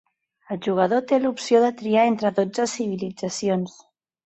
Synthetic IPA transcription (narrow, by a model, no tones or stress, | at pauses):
əlʒuɣ̞əð̞ot̪elupsjoðət̪ɾiaent̪ɾəðod͡zəsiβ̞ilid͡zasjons